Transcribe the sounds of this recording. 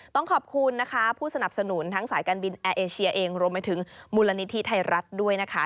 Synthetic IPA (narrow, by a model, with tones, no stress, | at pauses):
t̪ɔ˥˩ŋkʰɔː˨˩p̚kʰu˧nːa˦˥kʰa˦˥pʰuː˥˩sa˧na˨˩p̚sa˧nu˩˦nt̪ʰa˦˥ŋsaː˩˦jkaː˧nbi˧nʔɛː˧ʔeː˧t͡ɕʰi˧ɐʔeː˧ŋɾu˧əmpa˧jt̪ʰɯ˩˦ŋmuː˧la˧ni˦˥t̪ʰi˦˥t̪ʰa˧jɾa˦˥t̪̚du˥˩əjna˦˥kʰa˦˥